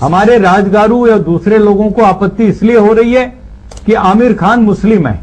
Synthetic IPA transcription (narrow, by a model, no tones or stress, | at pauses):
hɐmaːɾeɾaːd͡ʒɡaːɾũjad̪uːsɾeloːɡõkoaːpət̪ːiɪslieɦoɾɐɦiɦɛ | kiʔaːmɪɾkʰaːnmʊslɪmɦɛ̰ː